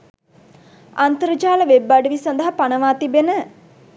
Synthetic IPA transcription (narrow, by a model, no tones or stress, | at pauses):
ant̪əɾəd͡ʒaːləʋebːaɖəʋisɐnd̪əɦapanəʋaːt̪ibenə